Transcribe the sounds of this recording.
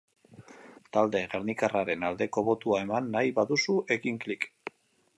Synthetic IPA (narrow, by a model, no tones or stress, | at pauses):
t̪ald̪e̞ɣeɾnikaraɾe̞nald̪e̞ko̞βo̞t̪uae̞manːajβaðusuʔe̞kiŋklik